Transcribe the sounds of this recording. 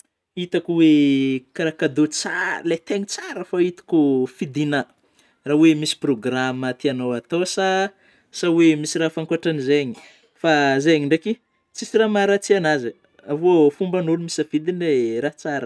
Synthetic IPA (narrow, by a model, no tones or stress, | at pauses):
it̪akuwekaɾakad̪ot͡saɾlet̪eɲit͡saɾəfait̪i̥kufid̪ina | rawemisi̥proɡramət̪ianowat̪osa | sawemisiɾafaŋkwaʈ͡ʂanizeɲi̥ | fazeɲiɳɖ͡ʐaki | t͡sisiramaɾat͡sianazə | avofumbanulumisafid̪inleɾat͡saɾə